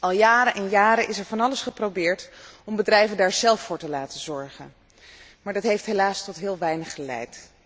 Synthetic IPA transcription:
ɑlˠjaːɾənʔɛnjaːɾəʔɪsɛɹvɑnɑləsχəprowbɪːɹtɔmbədrɛjvəndaːɹzɛlˠfːʊːɹtəlaːtəzɔɹχən | maːɹdɑtɦejftɦelaːstɔtɦɪːlˠʋɛjnəχəlɛ̰jt

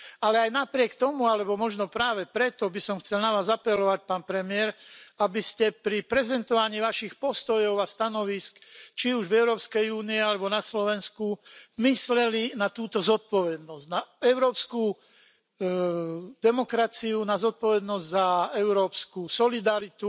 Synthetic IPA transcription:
alɛajnapɾɪɛkt̪ɔmualɛbɔmɔʒnɔpɾaːʋɛpɾɛt̪ɔbisɔmxt͡sɛlnaʋaːzapɛlɔʋac̚paːnpɾɛmɪɛɾabiscɛpɾipɾɛzɛnt̪ɔʋaɲiːʋaʃixpɔst̪ɔjɔʊast̪anɔʋiskt͡ʃiuʒvɛʊɾɔːpskɛjuːniɛalɛbɔnaslɔʋɛnskumislɛlinat̪uːt̪ɔzɔt̪̚pɔʋɛd̪nɔzɟnaɛʊɾɔːpsku | d̪ɛmɔkɾat͡siunazɔt̪̚pɔʋɛd̪nɔzɟzaɛʊɾɔːpskusɔlid̪aɾit̪u

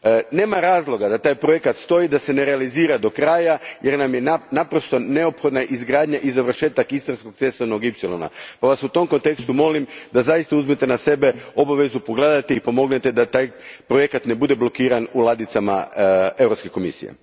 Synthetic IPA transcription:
ne̞ːmaɾaːzlˠo̞ɡad̪at̪aːjpɾoje̞kat̪st̪o̞id̪ase̞ne̞ɾealiziːɾad̪o̞kɾaːjajeɾnamjennapɾo̞st̪o̞ne̞opxo̞d̪naʔizɡɾaːd̪ɲaʔizaʋr̩ʃe̞ːt̪akist̪ɾansko̞ɡ̚t̪se̞st̪ono̞ɡipselˠo̞̰na̰paʋasut̪o̞mko̞nt̪e̞kst̪umo̞limd̪azajist̪auzmet̪enase̞be̞o̞baʋe̞zupoɡleːd̪at̪eipo̞mo̞ɡne̞t̪e̞d̪at̪aːjpɾo̞je̞kat̪ne̞bud̪e̞blo̞kiːɾanulˠad̪it̪sama̰e̞vɾopske̞ko̞mḭsḭjḛ

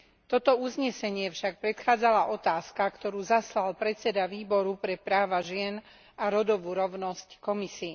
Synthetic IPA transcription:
t̪ɔt̪ɔuzɲɛsɛɲɪɛfʃak̚pɾɛt̪xaːd͡zalaʔɔt̪aːskakt̪ɔɾuːzaslalpɾɛt͡sɛd̪aʋiːbɔɾupɾɛpɾaːʋaʒɪɛn | aɾɔd̪ɔʋuːɾɔʊnɔsckɔmisiː

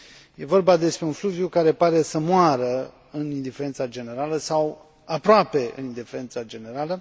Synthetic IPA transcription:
je̞vo̞rbad̪e̞spɾe̞unfluvjukaɾe̞paɾe̞səmoaɾə | ɨnind̪ifeɾent̪sad͡ʒe̞ne̞ɾaləsaw | apɾoape̞ɨ̰nind̪ifeɾent̪sad͡ʒe̞ne̞ɾalə

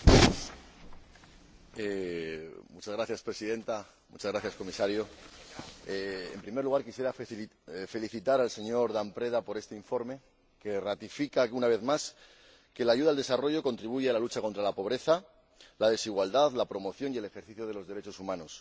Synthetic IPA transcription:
e | mut͡ʃazɣɾaθjaspɾesiðe̞nt̪a | mut͡ʃazɣɾaθjasko̞misaɾjo̞ | ḛmpɾimeɾluɣ̞aɾkisje̞ɾa | fe̞liθit̪aɾalse̞ɲo̞ɾðampɾe̞ðapo̞ɾe̞st̪eiɱfo̞ɾme̞ | ke̞rat̪ifikaunaβe̞ðmas | ke̞laʝuðaːld̪e̞saro̞ʝo̞ko̞nt̪ɾiβuʝealalut͡ʃako̞nt̪ɾalapo̞β̞ɾe̞θa | lað̞e̞siɣwald̪aðlapɾo̞mo̞θjo̞nie̞le̞xe̞ɾθiθjo̞ð̞e̞lo̞zðe̞ɾe̞t͡ʃo̞sumãno̞s

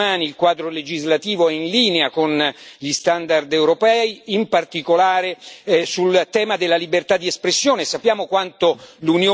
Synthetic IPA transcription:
aːniilkwaːd̪ɾoled͡ʒizlat̪iːvoɛinliːneakonʎist̪and̪ard̪ɛwɾopɛːiimpart̪ikolaːɾesult̪ɛːmad̪elːalibert̪ad̪ːiespɾesːjoːnesapːjaːmokwant̪olunjoː

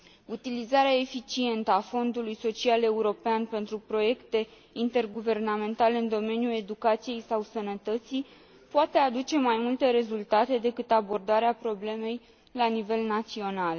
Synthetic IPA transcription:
ut̪ilizaɾeae̞fit͡ʃie̞nt̪əafo̞nd̪ulujso̞t͡ʃiale̞uɾo̞peanpe̞nt̪ɾupɾo̞je̞kt̪e̞ | int̪e̞rɡuve̞rname̞nt̪aleɨnd̪o̞me̞njule̞d̪ukat̪sije̞jsawsənət̪ət̪sij | poat̪e̞ad̪ut͡ʃe̞majmult̪e̞ɾe̞zult̪at̪e̞d̪e̞kɨt̪abo̞rd̪aɾeapɾo̞ble̞me̞j | lanive̞lnat̪sio̞nal

